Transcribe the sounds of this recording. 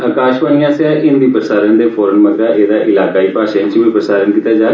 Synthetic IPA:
əːkaːʃʋaːnijãːsɛːʔɪnd̪iːpɾəsaːɾənd̪eːfʰɔːɾənməd̪ɾaːʔeːd̪aːʔɪlaːkaːiːpaːʃant͡ʃʋiːpɾəsaːɾənkit̪ːaːd͡ʒaː

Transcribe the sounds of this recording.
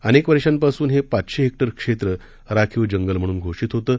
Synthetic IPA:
ənekʋəɾɕampasuːnɦepat̪ɕeɦek̚ʈəɾkʂet̪ɾə | ɾakʰiʋd͡ʑəŋɡəlm̤əɽ̃uːnɡʱoʂiːt̪ɦot̪əː

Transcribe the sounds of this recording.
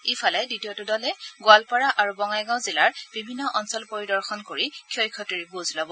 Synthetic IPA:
ifʰɔlɛditijɔtʊdɔlɛɡʊalpaɹaʔaɹubɔŋajɡãw̃zilaɹb̥ibʱinːɔʔɔnsɔlpoɹidɔɹxɔnkoɹikʰjɔjkʰɔtiɹibuzlɔbɔ

